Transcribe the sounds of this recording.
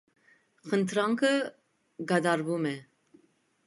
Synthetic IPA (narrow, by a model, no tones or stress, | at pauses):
χənt̪ʰɾaŋkʰə | ɡad̪ɑɾvumɛ